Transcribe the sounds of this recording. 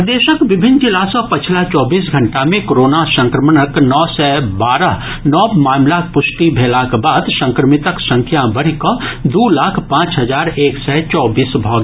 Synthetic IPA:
d̪eːʃəkʋɪbʱɪnd͡ʒɪlasɔpɐt͡ʃʰlat͡ʃɔːbiːsɡʱɐ̃ɳʈamẽkoɾoːnasə̃ŋkɾəmənəknɔːsɛːbaːɾəɦ | nɔːbmaːmlapʊsʈibʱeːlakbaːd̪sə̃ŋkɾəmɪt̪əksə̃ŋkʰjabɐɽ̤ikõd̪uːlaːkʰpãːt͡ʃɦɐzaːɾeːksɛːt͡ʃɔːbiːsbʱɔːɡ

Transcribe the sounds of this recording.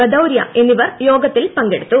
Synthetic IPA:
ɐd̪ɐwɾjɐ̰enːiʋɐrjo̞ːɡɐt̪ːilpɐŋɡeɽut̪ːu

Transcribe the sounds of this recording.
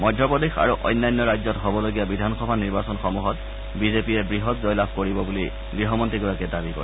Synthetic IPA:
mɔjdʱjɔpɔdexa̰ɹuʔɔ̰jnːajnːɔɹajzɔtɦobɔloɡijabidʱanxɔbʱaniɹbasɔnxɔmuɦɔt | bizepijɛbɹiɦɔtzɔjlabʱkoɹibɔbuli | ɡɹiɦɔmɔntiɡɔɹakɛdabikɔ̰ɹɛ

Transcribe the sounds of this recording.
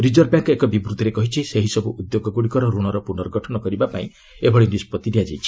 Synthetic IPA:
ɾid͡ʒɔɾ̚bjaŋkekɔbibɾut̪ːɾekɔɦit͡ʃʰiseɦisɔbuʔud̪joɡɔɡuɽikɔɾɔɾuɽ̃ɔɾɔpunɔɾɡʱɔʈʰɔnɔkɔɾibapaĩ | ebʱɔɽinispɔt̪ːid̪iad͡ʒajt͡ʃʰi̥

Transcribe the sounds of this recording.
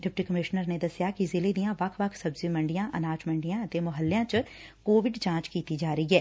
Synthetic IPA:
ɖɪp̚ʈikəmɪʃnəɾned̪ɐsjakizɪled̪ijãʋɐkʰʋɐkʰsɐbzimə̃ɳɖijãːʔənaːt͡ʃmə̃ɳɖijãət̪emʊɦəlːjãt͡ʃkoːʋɪɖt͡ʃãːt͡ʃkiːt̪id͡ʒaːɾəiɦɛː

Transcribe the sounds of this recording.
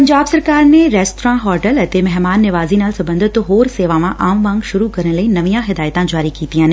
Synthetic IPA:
pɐ̃ɲd͡ʒaːbsɐɾkaːɾnẽɾɛːsʈɾãːɦɔːɾʈəlɐt̪emɛɦmaːnːɪʋaːzinaːlsɐbə̃nd̪ʱɪt̪ɦoːɾseːʋaʋãʔaːmʋãːŋɡʃʊɾukɐɾəɽ̃ləĩnɐʋijãɦɪd̪aːjət̪ãd͡ʒaːɾikiːt̪ijãːnɪ̃

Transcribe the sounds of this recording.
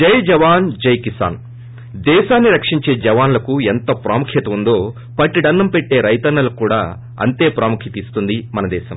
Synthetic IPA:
d͡ʒɐjd͡ʒɐʋaːnd͡ʒɐjkisa̰ːn | d̪ɛːʃaːnːiɾɐkʂiɲt͡ʃe̞ːd͡ʒɐʋaːnlɐkuent̪ɐpɾaːmukʰjɐt̪ɐund̪o̞ː | pɐʈːiɖɐnːɐmpeʈːe̞ːɾɐjt̪ɐnːɐlɐkuːɽa̰ː | ɐ̰nt̪e̞ːpɾaːmukʰit̪ist̪und̪imɐnɐd̪ɛːʃɐm

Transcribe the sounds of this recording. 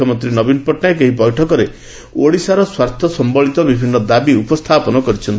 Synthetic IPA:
ɔmɔnt̪ɾinɔbinpɔʈnaek̬eɦibɔjʈʰɔkɔɾe | oɽisaɾɔswaɾt̪ʰɔsɔmbɔɭit̪ɔbibʱinːɔd̪abiupɔst̪ʰapɔnɔkɔɾit͡ʃʰɔnt̪i

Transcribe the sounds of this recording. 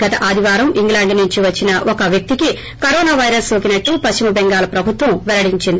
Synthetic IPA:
ɡ̥ɐt̪ɐʔaːd̪ʱiʋaːɾɐmiŋɡlaːɳɖnuɲt͡ʃiʋɐt͡ʃːinɐʔɔkɐʋjɐk̚t̪iki | kɐɾɔːnaːʋɐjɾɐsoːkinɐʈːupɐst͡ʃimɐbɛŋɡaːlɐpɾɐbʱut̪ʋɐmʋɛlɐɽiɲt͡ʃind̪i

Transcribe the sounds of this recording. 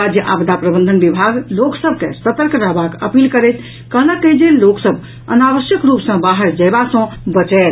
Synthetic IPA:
ad͡ʒjəʔa̰bd̪apɾəbə̃nd̪ʱənbibʱaɡloksəb̚ʱkesət̪əɾkɾəɦbakəpilkəɾɛt̪ʰ | kəɦnəkəɦd͡ʒelloksəb | ə̰naʋəsjəkɾupsə̃baɦəɾd͡ʒəjbasə̃bət͡ʃɛl

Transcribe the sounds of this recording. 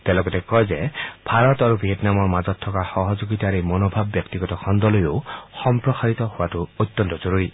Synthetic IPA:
t̪elɔɡɔt̪ekɔjd͡ʒeb̥ʱaɾɔt̪aɾubʱɾijet̪namɔɾmad͡ʒɔt̪ʰːɔkaxɔɦɔd͡ʒuɡit̪aɾimɔnobʱabːjɔkt̪iɡɔtɔkʰɔnd̪ɔlojoxɔmpɾɔsaɾit̪ɔhuatuojt̪ːɔnt̪ɔt͡ʃɔɾuɾi

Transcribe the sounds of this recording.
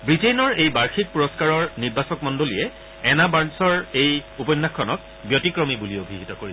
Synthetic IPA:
bɹitejnɔɹejbaɹxʰit̚puɹɔskaɹɔɹniɹbasɔk̚mɔndolijɛ | ɛnabansɔɹejupɔjnːakʰːɔnɔk̚ | bjotikɹomibuliobʱiɦitɔkoɹis

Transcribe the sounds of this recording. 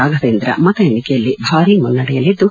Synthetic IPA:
aːɡʱɐd̪eːnd̪ɾɐ̰ʔmɐt̪ɐeɳikɛjɐlːibʱaːɾiŋɡɐɭunɐɽɛjɐlid̪ːu

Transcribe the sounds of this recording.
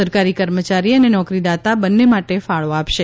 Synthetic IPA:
əɾkaɾikəɾmət͡ʃaɾiənenɔkɾid̪at̪abənːemaʈefaɭoapʃe

